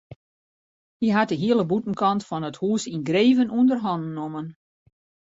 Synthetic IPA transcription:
hiɦat̚dəɦiələbutən̩kɑntfɔnəthuːsinɡreːvənuəndərɦɔnnomən

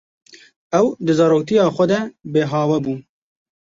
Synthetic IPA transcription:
ɐwd̪ɨzɑɾoːt̪ijɑːxʷɐd̪ɐbeːɦɑːwɐbu

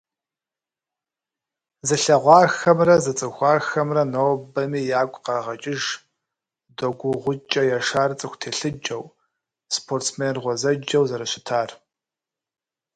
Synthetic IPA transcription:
zɨɬɐʁʷɑːxɐmrɐzɨt͡sʼɨxʷɑːxɐmrɐnowbɐmiːjaːɡʷʼqɑʁɐt͡ʃʼɪʒ | doɡʷʊʁʷʊt͡ʃʼɐjaʂaːrt͡sʼɨxʷtʰeːɬɨd͡ʒʼɐw | spʰoːrtsmeːrʁʷɔzɐd͡ʒɐwzɐɾɐɕɪ̥tʰaːr

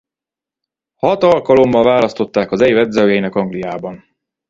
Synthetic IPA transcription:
hɒt̪ɒlkɒlo̞mːɒlvaːlɒst̪o̞t̪ːaːkɒzɛjvɛd̪zɒɡɛjnɛkɒŋɡlijaːbɒn

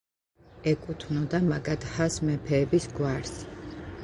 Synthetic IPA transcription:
ɛkʼut̪ʰvnɔd̪amaɡad̪̥hasmɛpʰɛːbisɡwaɾs

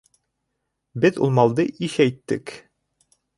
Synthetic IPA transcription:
bɘðṵlˠmɑlˠd̪ɤʔiʃæjt̪ːɘk

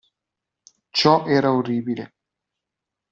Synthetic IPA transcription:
t͡ʃɔʔɛɾaoriːbilḛ

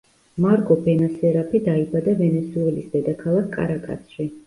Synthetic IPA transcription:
maɾkʼɔbɛnasɛɾapʰid̪aibad̪avɛnɛsuɛlisd̪̥ɛd̪akʰalˠakʰkʼːa̰ɾakʼa̰t̪sʰʃi

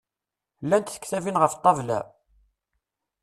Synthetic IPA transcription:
lːænt̪θə̥kθævinʁəft̪ˤːɑvlæ̰

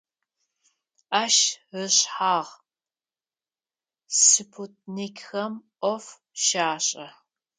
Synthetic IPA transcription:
ʔaːʃɨɕħaːʁ | sɨpʰut̚ʰnikʲxɐmʔʷɔf | ʃaːɕʼɐ

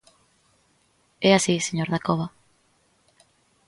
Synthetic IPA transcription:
ɛasiseɲoɾðakoβa

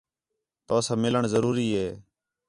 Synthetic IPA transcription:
t̪oːsaːmɪləɳzəɾuːɾiːɦeː

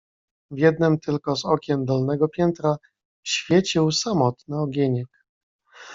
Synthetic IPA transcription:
vʲjɛd̪nɘmt̪ɘlkɔzɔkʲɛmd̪ɔlnɛɡɔpʲjɛnt̪ɾa | ɕfʲjɛt͡ɕiwsamɔt̪nɘɔɡʲeɲɛk

